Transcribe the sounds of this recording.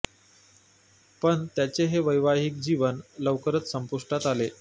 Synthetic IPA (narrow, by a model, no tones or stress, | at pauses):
pəɳt̪jat͡seɦeʋəjʋaɦik̚d͡ʑiʋənləʋkəɾət͡s̪səmpuʂʈat̪ale